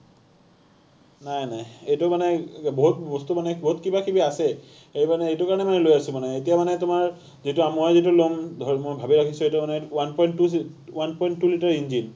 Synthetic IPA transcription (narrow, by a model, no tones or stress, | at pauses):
najnajejtumanɛboɦut̚bɔstumanɛboɦutkibakibiasɛ | ejmanɛejtukaɹɔnɛmanɛlojasʊ̃manɛetijamanɛtʊmaɹ | zituamojzitulomdʱɔmojbʱabiɹakʰisuejtʊmanɛwanpɔjnuwanpɔjntːulitaɹinzin